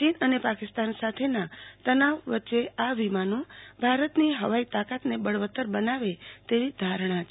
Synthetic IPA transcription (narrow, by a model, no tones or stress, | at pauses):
t͡ʃinənepakɪst̪ansat̪ʰenat̪ənaʋʋətːʃeʔaʋimanũbʱaɾət̪niɦəʋait̪akat̪nebəɭʋət̪ːəɾbənaʋet̪eʋid̪ʱaɾɽ̃ãt͡ʃ